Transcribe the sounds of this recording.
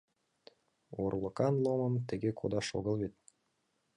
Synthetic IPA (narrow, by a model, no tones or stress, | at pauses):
orlˠɤ̆kɑnlˠomɤ̆mt̪ɘ̆ɡʲekʰod̪ɑʃo̰ɣɤ̆lˠβet̪̚